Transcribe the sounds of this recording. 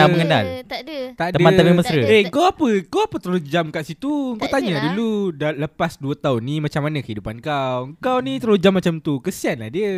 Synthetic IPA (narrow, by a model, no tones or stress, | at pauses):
aməŋəna̰lt̪adət̪at̪ədəmãnamiməsɾəeŋkawapəkawapət̪əlud͡ʒamkaʔsit̪uəŋkawt̪aɲaduludaləpasduət̪aɦʊnːĩmat͡ʃamːanãkəɦidupankawwəŋkawnĩt̪əlud͡ʒamːat͡ʃamt̪ukəsianlahdiə